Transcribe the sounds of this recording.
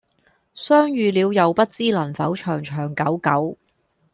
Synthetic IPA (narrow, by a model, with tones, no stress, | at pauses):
sœː˥ŋjyː˨˧liː˨˧wjɐ˨˧wpɐ˥t̚t͡siː˥lɐ˨˩nfɐ˨˥wt͡ʃʰœː˨˩ŋt͡ʃʰœː˨˩ŋkɐ˨˥wkɐ˨˥w